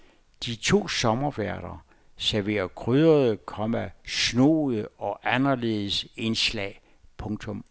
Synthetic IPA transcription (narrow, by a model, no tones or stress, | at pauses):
d̥it͡sʰo̝̰ːsɒ̽mɐʋæɐ̰ɾ̥ɐ | sæɐʋe̝̰ːɐkʰʁyðˠɐðˠəkʰɒ̽mæsno̝̰ːð̩ˠəɒ̽ʔænɐle̝ːð̞ˠəse̝nslɛ̰ː | pʰɔ̽ŋt͡sʰɔ̽m